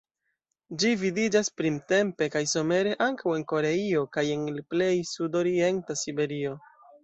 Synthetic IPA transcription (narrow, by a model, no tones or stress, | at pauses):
d͡ʒividid͡ʒaspɾimte̞mpe̞kajso̞me̞ɾe̞ʔaŋkawe̞nko̞ɾe̞io̞kaje̞nple̞jsudo̞ɾie̞ntasibe̞ɾio̞